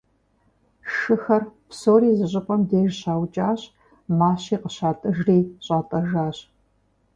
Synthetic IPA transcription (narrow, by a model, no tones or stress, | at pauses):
ʂɨxɐrpsoːriːzɨɕʼɪpʷʼɐmdeːʒɕaːwt͡ʃʼaːɕ | maːɕiːqəɕaːtʼɨʒriːɕʼaːtʼɐʒaːɕ